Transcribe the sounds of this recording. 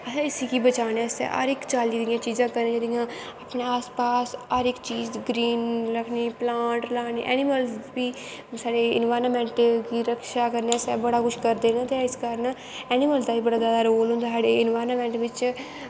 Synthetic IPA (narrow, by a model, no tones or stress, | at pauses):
əsãːɪsiːkiːbət͡ʃaːnɛ̃ːsɛ̰ʔa̰ːɾɪkt͡ʃaːliːd̪ijãːt͡ʃiːzãːkəɾnẽːd͡ʒeːd̪ijãː | aːpneaːspaːsaːɾɪkt͡ʃiːzɡɾiːnləkʰniːplãːɳʈlaːneːʔɛ̰ːniməlsbiː | saːɽeːɪnʋaːɾnmɛ̃ːɳʈkiːɾəkʰʃaːkəɾneːsɛːbəɽaːkʊʃʰkəɾd̪eːnãːt̪eɪskəɾən | ɛːnɪməlsd̪aːiːbəɽaːzjaːd̪aːɾoːlʊ̃nd̪aːsaːɽeːɪnʋaːɾnmɛ̃ːɳʈʋɪt͡ʃ